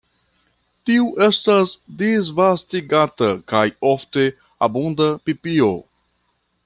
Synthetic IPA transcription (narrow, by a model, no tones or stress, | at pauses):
tiuʔe̞stasdizvastiɡat̪əkajofte | abundapipio